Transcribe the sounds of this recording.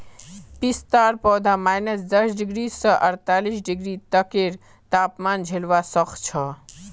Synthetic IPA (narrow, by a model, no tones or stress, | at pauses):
pist̪aɾpɔːd̪ʱamajnəsd̪əsɖiɡɾisəʔəɾt̪alisɖiɡɾit̪əkeɾ | t̪aːpmand͡ʒʱelʋasəxt͡ʃʰɔ